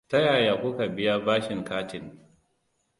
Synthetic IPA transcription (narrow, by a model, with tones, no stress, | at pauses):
ta˦jaː˨jaː˨kʷʊ˦ka˨bɪ˦ja˦baː˦ʃɪ˨ŋkaː˦tɪ˨n